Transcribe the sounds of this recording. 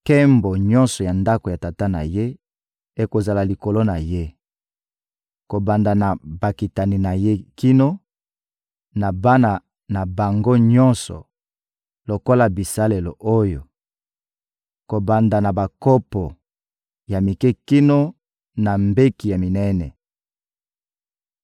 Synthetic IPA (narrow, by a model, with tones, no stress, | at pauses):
kɛ˦mbo˨ɲɔ̃˦nsɔ˨ja˨nda˦ko˨ja˨ta˨ta˦na̰˨je˦ | e˨ko˨za˨la˨li˨ko˨lo˦na˨je˦ | ko˨ba˨nda˨na˨ba˨ki˨ta˨ni˨na˨je˦ki˦no˦ | na˨ba˦na˨ | na˨ba˨ŋɡo˦ɲɔ˦nsɔ̰˨ | lo˨ko˦la˨bi˨sa˦le˨lo˨ʔo˦jo˨ | ko˨ba˨nda˨na˨ba˨ko˦pɔ˨ | ja˨mi˨kɛ˦ki˦no˦ | na˨mbe˦ki˨ja˨mi˨nɛ˦nɛ˨